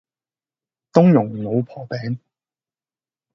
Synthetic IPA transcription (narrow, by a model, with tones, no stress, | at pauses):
t̪ʊ˥ŋjʊ˨˩ŋ˨mo˨˧wpʰɔː˨˩pɛː˨˥ŋ